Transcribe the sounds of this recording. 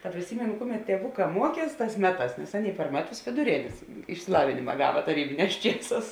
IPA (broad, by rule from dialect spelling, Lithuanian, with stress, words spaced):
tɐ pʲrʲɪˈsʲiːmʲeːnʊ ˈkʊˌmʲɛt tʲiɛˈʋʊˌkɑː ˈmuɔˌkʲiɛs ˈtɑːs ˈmʲæːˌtɑːs nʲɛs ˈɑːˌnʲeːɪ pɐr ˈmʲæːˌtʊs ʋʲeːdʊˈrʲeːnʲeːs ɪʃʲsʲɪˈlˠɑːʋʲɪnʲɪmɐ ˈɡɑːʋɐ tɐˈrʲiːbʲɪˌnʲɛːs ˈt͡ʃʲiɛˌsɑːs